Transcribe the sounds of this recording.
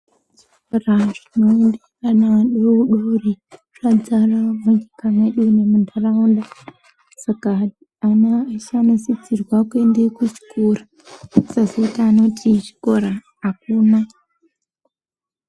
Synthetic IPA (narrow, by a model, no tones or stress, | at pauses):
t͡ʃikoraʐ̥ino̞endiranaɗeuɗori | ʐ̥ad͡zaramuɲikamweɗunemundaraunda | sakaː | nat͡ʃanosit͡sirwakwendekut͡ʃi̥kʰura | sasitaano̞tʰit͡ʃi̥ko̞ɾaː | kuːna